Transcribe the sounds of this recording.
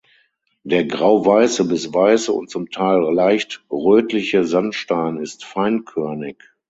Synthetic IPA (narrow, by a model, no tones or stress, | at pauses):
d̥eːɐɡʁaʊvaɪsəbɪsvaɪsəʊ̰nt̚t͡sʊmtʰaɪllaɪçtʁøːtlɪçəzantʃtaɪnɪstfaɪnkʰœɐnɪk